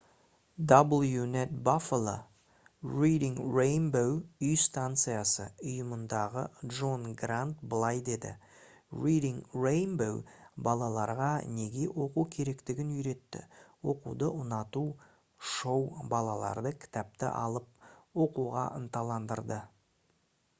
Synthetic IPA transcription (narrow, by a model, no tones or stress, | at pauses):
d̪obəlˠjunet̪̚baflˠo̰ | rijd̪iŋrejnbowʏjst̪ant̪sɨjasə̰ʊjəmənd̪ɑʁə̰dʒo̞nɡrant̪bəlˠɑjd̪e̞d̪ɪ̰ | rijd̪iŋrejnbowbɑlˠɑlˠɑɾʁɑne̞ɡʲe̞wʔo̞qukʲʰe̞ɾe̞kt̪ɪɡʲɪnʏjɾe̞t̪ːɪ̰wo̞̰qṵd̪əʔʊnɑt̪u | ʃo̞wbɑlˠɑlˠɑ̰ɾd̪əkʲʰɪ̥t̪æp̚t̪ɪ̰ʔɑ̰lˠəp̚wo̞quʁɑ̰ʔə̰nt̪ɑlˠɑnd̪əɾd̪ə